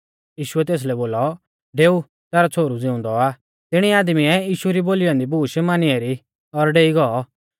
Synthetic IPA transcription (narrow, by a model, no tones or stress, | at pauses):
jiːʃʊɛt̪̬eːs̬lɛboːlɔ | ɖeːu | t̪ɛːɾɔt͡sʰoːɾud͡zɪʊ̃nd̪ɔaː | t̪ɪɽ̃iaːd̪miɛjiːʃuɾiboːliɔ̃ːnd̪ibʱuːʃmaːniɛɾi | ɔɾɖeːiɡɔɔ